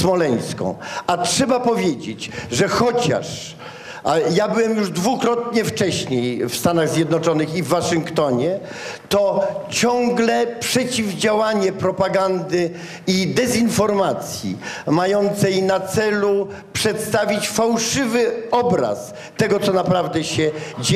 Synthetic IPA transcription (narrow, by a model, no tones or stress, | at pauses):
smɔlɛj̃skɔ̰̃w̃atʂɛbapɔvʲjed͡ʑḛd͡ʑʐɛxɔt͡ɕa̰ʂ | jabɘwɛmjuʐd̪vukɾɔt̪ɲɛft͡ʂɛɕɲejfst̪anaɣzʲjɛd̪nɔt͡ʂɔnɘxivːaʂɨŋkt̪ɔɲɛ | t̪ɔt͡ɕɔ̃ŋɡlɛpʂɛt͡ɕivd͡ʑawaɲɛpɾɔpaɡand̪ɘ | id̪ɛzinfɔɾmat̪sʲjḭmajɔnt̪sɛjnat̪sɛlu | pʂɛt̪st̪avʲit͡ɕfawʂɘvɘɔbɾa̰s | t̪ɛɡɔt̪sɔnapɾavd̪ɛɕɛd͡ʑe